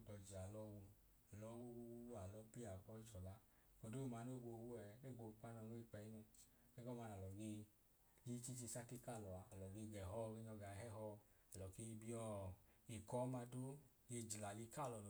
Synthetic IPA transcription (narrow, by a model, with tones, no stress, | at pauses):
dɔ˨d͡ʒi˨a˨lɔ˧˦wu˧ | ɛ˨lɔ˨˦wu˦wu˧˦a˨lɔ˧˦pi˦a˨k͡pɔ˧˦i˦d͡ʒɔ˨la˨˦ | ko˨do˦u˧ma˧˦no˦˨ɡ͡bo˧wu˦ɛ˨˦ne˦˨ɡ͡bo˧˨k͡pa˦nɔ˧˨no˦i˦k͡pɛ˧i˦nu˧ | ɡe˦ɡɔ˦˨ma˧na˨lɔ˨ɡe˧ | li˦t͡ʃi˦t͡ʃi˧sa˦ki˦ka˦˨lɔ˨a˨a˨lɔ˨ɡe˧˨ɡɛ˨ɦɔ˦˧ɡe˧ɲɔ˧ɡa˨ɦɛ˦ɦɔ˧ | ɛ˨lɔ˨ke˧i˧bi˦ɔ˦˨i˨kɔ˨˦ma˧do˦ | je˧d͡ʒi˨la˨li˧ka˦˨lɔ˨n˨